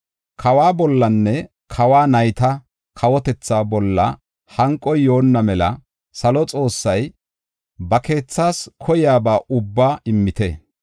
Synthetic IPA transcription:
kʰɐwaːbɔlːɐnːɛ | kʰɐwaːnɐjt̪ɐ | kʰɐwɔt̪ɛt͡sːaːbɔlːɐ̰ | hɐŋkʼːɔjːo̞ːnːɐmɛlɐ | sɐlɔt͡sʼo̞ːsːɐj | bɐke̞ːt͡sːaːskʰɔjɪjaːbaːʔʊbːaːɪmːɪt̪ɛ

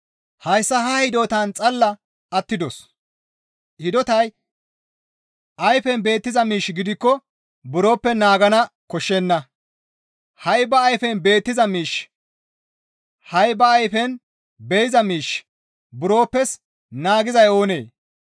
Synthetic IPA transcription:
hɐjsːɐhɐhɪd̪oːt̪ɐnt͡sʼɐlːɐ | ɐt̪ːɪd̪ɔs | hɪd̪ɔt̪ɐj | ʔɐjfɛnbe̞ːt̪ːɪzɐmiːʃɡɪd̪ɪkːɔ | bʊɾo̞ːpːɛnaːɡɐnɐkɔʃːɛnːɐ | hɐjbɐːjfɛnbe̞ːt̪ːɪzɐmiːʃ | hɐjbɐːjfɛn | bɛjɪzɐmiːʃ | bʊɾo̞ːpːɛs | naːɡɪzɐjo̞ːnḛː

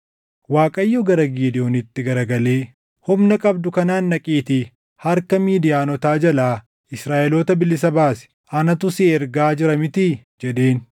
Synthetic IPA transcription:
waːkʼɐjːɔɡɐɾɐɡiːd̪ɪoːnɪt̪ːɪɡɐɾɐɡɐle̞ː | hʊmnɐkʼɐbd̪ʊkɐnaːnːɐkʼiːt̪ɪ | hɐɾkɐmiːd̪ɪjaːnɔt̪aːd͡ʒɐlaː | ɪsɾaːʔɛloːt̪ɐbɪlːɪs̬ɐbaːsɛ̥ | ʔɐnɐt̪ʊsɪɛɾɡaːd͡ʒɪɾɐmɪt̪ɪd͡ʒɛᶑe̞ːn

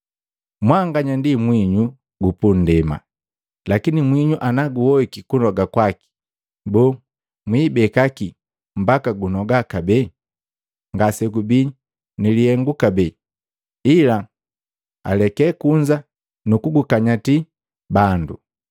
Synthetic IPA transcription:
mwaŋɡaɲandimwiɲu | ɡupun̩dɛma̰ | lakinimwiɲuʔanaɡuwɔikikunɔɡakwaki̥ | bɔː | mwiːbɛkaki | m̩bakaɡunɔɡakabɛ | ŋɡasɛɡubi | nilihɛŋɡukabɛ | ila | a̰lɛkɛkuɲd͡ʒa | nukuɡukaɲati | bandṵ

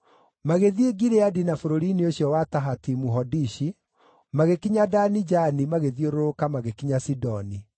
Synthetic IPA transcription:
maɣeðieɡiɾeadinafoɾoɾinioɕjɔwataɦatimuɦɔdiʃi | maɣekiɲadanid͡ʒanimaɣeðioɾoɾokamaɣekiɲasidɔni

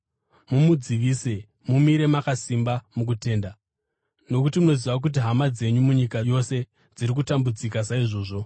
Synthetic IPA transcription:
mumud͡ziʋiːse̞ | mumiɾe̞makasimbamuk̬ute̞ːnda | no̞kutimuno̞ziʋak̬ut̬iɦamad͡ze̞ɲumuɲikajo̞se̞ | d͡ziɾik̬utambud͡zikas̬aiʐo̞ːʐo̞

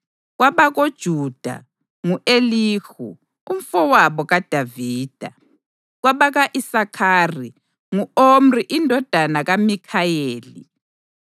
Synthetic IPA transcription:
ɣwaβaɣod̥ʒ̥ʱud̥ʱa̰ | ŋuʔeliːxṵ | um̩fɔwaβɔɣad̥ʱaviːd̥ʱa̰ | ɣwaβaɣaʔisakʰaːri | ŋuom̩riʔindʱɔd̥ʱanaɣamikʰajeːlḭ

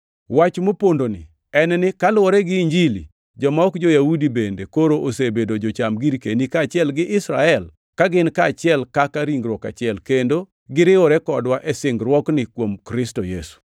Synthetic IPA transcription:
wat͡ʃmopondonɪ̰ | ɛnnɪkalwɔɾɛɡɪɲd͡ʒilḭ | d͡ʒɔmɔɔkd͡ʒojaudibendekoɾoʔosebedod͡ʒot͡ʃamɡiɾkenikaːt͡ʃɪɛlɡɪʔɪsɾa̰ɛl | kaɡɪnkaːt͡ʃɪɛlkakaɾiŋɡɾwɔka̰t͡ʃɪɛlkendo | ɡɪɾɪwɔɾɛkɔdwaʔɛsɪŋɡɾwɔknɪkwomkɾɪstojesu̥

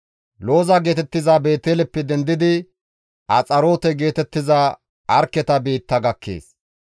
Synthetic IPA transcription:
lo̞ːzaɡe̞ːt̪ɛt̪ːɪzaːbe̞ːt̪eːlɛpːɛd̪ɛnd̪ɪd̪ɪ | ɐt͡sʼɐɾo̞ːt̪ɛɡe̞ːt̪ɛt̪ːɪzaː | ʔɐɾkːɛt̪ɐbiːt̪ːɐɡɐkʰːe̞̰ːs

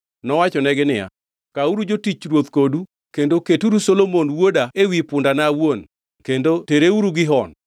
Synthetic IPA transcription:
nɔwat͡ʃɔnɛɡɪnɪja̰ | kauɾud͡ʒotit͡ʃɾwot̪kodu | kendoketuɾusolomonwodaewipʊndanawon | kendoteɾeuɾuɡɪɦɔn

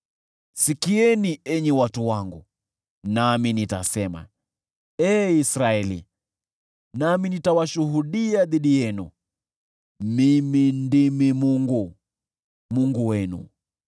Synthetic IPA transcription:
sikiɛniɛɲɛwatuwaŋɡu | naminitasɛma̰ | ɛːisɾaɛlḭ | naminitawaʃuɦuɗiaðiɗijɛnṵ | mimindimimuŋɡu | muŋɡuwɛnṵ

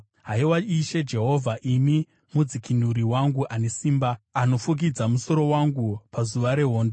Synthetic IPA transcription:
ɦaiwaiʃe̞d͡ʒe̞ɦo̞vʱaʔimi | mud͡zikin̤uɾiwaŋɡuʔane̞siːmbaːno̞fuk̬id͡zamuso̞ɾo̞waŋɡupazuʋaɾe̞ɦo̞ːndo

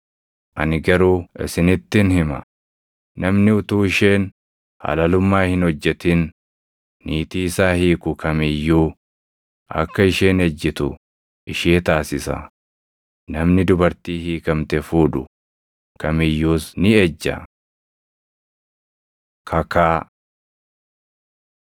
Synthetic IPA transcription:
ʔɐ̰nɪɡɐɾuːʔɪ̰sɪnɪt̪ːɪnhɪmɐ̰ | nɐmnɪʊt̪uːɪʃeːn | hɐ̰lɐlʊmːaːhɪnhɔd͡ʒːɛt̪ɪnː | iːt̪iːsaːhiːkʊkʰɐmɪjːuː | ʔɐ̰kːɐɪʃeːnɛd͡ʒːɪt̪ʊ | ʔɪʃeːt̪aːsɪsɐ̰ | nɐmnɪd̪ʊbɐɾt̪iːhiːkɐmt̪ɛfuːᶑʊ̰ | kɐmɪjːuːsnɪɛd͡ʒːɐ̰ | kʰɐkaː

